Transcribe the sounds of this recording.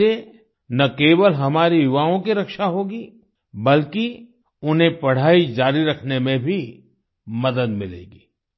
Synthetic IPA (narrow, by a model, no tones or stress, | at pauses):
e | nɐkeːʋəlɦɐmaːɾijʊʋaːõkiɾɐkʃaɦoːɡiː | bɐlki | ʊnɦẽpɐɽ̤aːid͡ʒaːɾiɾɐkʰnemẽbʱi | mɐd̪əd̪mɪlḛːɡiː